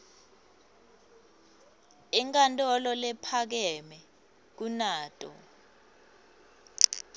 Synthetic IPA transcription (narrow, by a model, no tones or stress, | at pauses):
iŋkʼantʼɔlɔlɛpʰak̬ɛmɛ | k̬unaːtʼɔ̰